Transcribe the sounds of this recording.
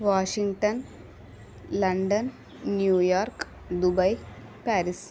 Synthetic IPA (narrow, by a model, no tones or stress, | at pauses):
ʋaːʂiŋɡʈɐn | lɐɳɖɐnː | juːjaːrk | d̪ubɐj | paːɾis